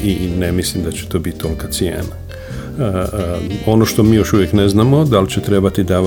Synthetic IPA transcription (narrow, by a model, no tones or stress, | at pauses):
inemislimd̪at͡ɕe̥t̪o̞ːbit̪̚t̪o̞lkasijḛːna | o̞noʃt̪o̞miːjo̞ʃuʋjekne̞znaːmo̞d̪alit͡ɕet̪ɾe̞bat̪id̪aː